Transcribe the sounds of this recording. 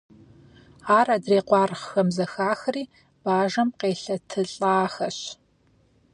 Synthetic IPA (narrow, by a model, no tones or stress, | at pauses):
aːraːdreːqʷɑːrχxɐmzɐxaːxɐriː | b̥aːʒɐmqeːɬɐtʰɨɬʼaːxɐɕ